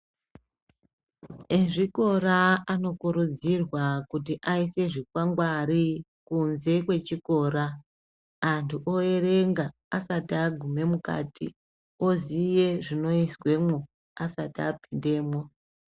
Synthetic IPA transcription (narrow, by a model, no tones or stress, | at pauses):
eʐiko̞raano̞kuɾud͡zirwakut̬iʔaise̞ʐikwaŋɡwari | kunze̞kwe̞t͡ʃiko̞ːɾaː | ntʰuʔo̞e̞re̞ŋɡaː | satiaɡʱume̞muka̰ːtʰḭ | ozije̞ʐino̞iswe̞mo | asatiapinde̞ːmo